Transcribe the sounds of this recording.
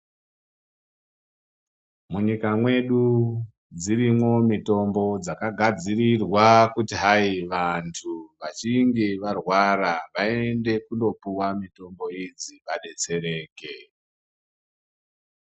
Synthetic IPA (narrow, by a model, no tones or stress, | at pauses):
muɲikamwe̞ɗu | d͡zirimwo̞mito̞mbo̞d͡zakaɡʱad͡zirirwakutiɦaiʋantʰuʋat͡ʃiŋɡeʋarwaɾaʋaee̞nde̞kundo̞puwamito̞mbo̞id͡ziʋaɗe̞t͡se̞ɾe̞ːke